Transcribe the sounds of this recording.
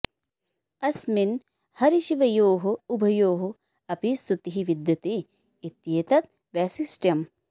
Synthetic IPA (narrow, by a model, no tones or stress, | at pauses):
ɐsmin | hɐɾiʃiʋɐjoːɦuubʱɐjoːɦu | ɐpist̪ut̪iɦiʋid̪jɐt̪iː | t̪jeːt̪ɐt̪̚ | ʋaːsisʈjɐm